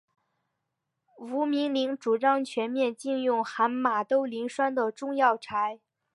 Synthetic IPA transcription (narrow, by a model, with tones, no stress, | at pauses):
u˧˥mi˧˥ŋli˧˥ŋʈ͡ʂu˨˩ʈ͡ʂɑ˥ŋt͡ɕʰɥɛ˧˥nmjɛ˥˧nt͡ɕi˥˧ŋjʊ˥˩ŋxa˧˥nma˨˩t̪o˥ʊli˧˥ŋʂwa˥nd̪ə˨ʈ͡ʂʊ˥˧ŋjɑ˥˩ʊʈ͡ʂʰa˧˥ɪ